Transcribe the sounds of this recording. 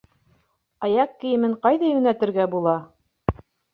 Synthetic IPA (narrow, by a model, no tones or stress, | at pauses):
ɑjɑqkːɘ̆jɘ̆mɘɴqɑjðɑjʉnæt̪ɘ̆ɾɡæbulˠɑ